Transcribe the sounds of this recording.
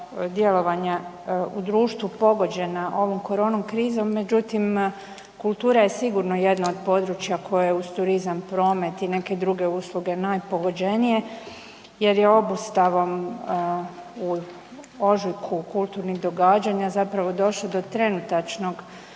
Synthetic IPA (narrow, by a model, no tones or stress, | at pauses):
d̪je̞lo̞ʋaɲa | ud̪ɾuːʃt̪ʋupo̞ɡo̞d͡ʑe̞naʔo̞ʋo̞mko̞ɾo̞ːnomkɾiːzo̞mːe̞d͡ʑut̪im | kulˠt̪uːɾajesiɡuɾno̞je̞d̪naod̪po̞ːd̪ɾut͡ɕjakʰo̞jeeust̪uɾizampɾo̞ːme̞t̪ine̞ke̞d̪ɾuɡe̞uslˠuɡe̞naːjpo̞ɡo̞d͡ʑenije̞ | je̞ɾje̞o̞bust̪aʋo̞m | u | o̞ʒikʰukulˠt̪uɾniɣd̪o̞ɡaːd͡ʑaɲazapɾaʋo̞d̪o̞ʃlˠod̪o̞t̪ɾe̞nut̪at͡ʃno̞ɡ